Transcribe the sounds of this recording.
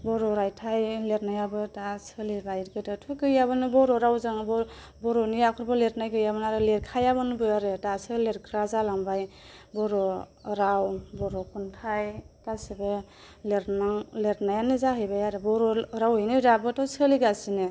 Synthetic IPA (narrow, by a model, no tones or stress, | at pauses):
bɔɾɔɾajtʰajleɾnajabɯtasɯlibajɾkɯtɯtʰukɯjaβɯnɯbɔɾɔɾawzaŋbɔ | bɔɾɔnijakʰɯɾbɯleɾ̚najɡɯjabɯnaɾɯleɾkʰajabɯnbɯaɾɯtasɯleɾkʰɾazalaŋbajbɔɾɔ | ɾawbɔɾɔkʰɔntʰajɡ̥asibɯ | leɾnaŋleɾnajanɯzaɦɯjbajaɾɯbɔɾɔɾawɯjnɯɾabɯtɔsɯliɡasinɯ